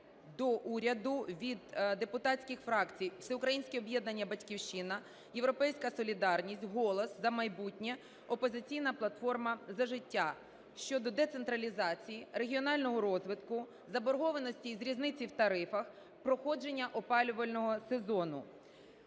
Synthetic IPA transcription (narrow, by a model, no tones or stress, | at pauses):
d̪ɔʔuɾʲɐd̪ʊʋʲid̪d̪e̞pʊt̪ɑtt͡sʲkʲɪxfɾɑkt͡sʲijwsʲɛʊkɾɐjinʲsʲkʲɛɔbjɛd̪nɐnʲːɐbɐtʲkʲiwʃɪnɐ | jewɾɔpɛjsʲkɐsɔlʲid̪ɑrnʲisʲtʲɦɔlˠɔszɐmɐjbutʲnʲɛ | ɔpɔzɪt͡sʲijnɐplˠɐt̪fɔrmɐzɐʒɪtʲːa | ʃt͡ʃɔd̪ɔd̪et̪se̞nt̪ɾɐlʲizɑt͡sʲijire̞ɦʲiɔnɑlʲnɔɦɔɾɔzʋɪt̪kʊ | zɐbɔɾɦɔʋenɔsʲtʲizɾʲiznɪt͡sʲiwt̪ɐɾɪfɐx | pɾɔxɔd͡ʒenʲːɐʔɔpɑlʲʊʋɐlʲnɔɦɔsezɔnʊ̰